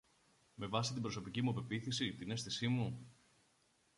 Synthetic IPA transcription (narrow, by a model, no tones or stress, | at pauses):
me̞vɐsit̪ibɾo̞so̞picimuɐpe̞piθisit̪ine̞sθisimu